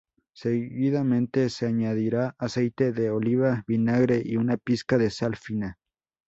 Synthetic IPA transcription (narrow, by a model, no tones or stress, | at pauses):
seɣiðamẽ̞nt̪eseaɲaðiɾaasejt̪eðeoliβaβinaɣɾeʔiunapiskaðe̞salfina